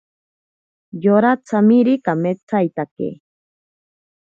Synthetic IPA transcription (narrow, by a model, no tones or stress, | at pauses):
joɾat͡samiɾikamet͡sajt̪akḛ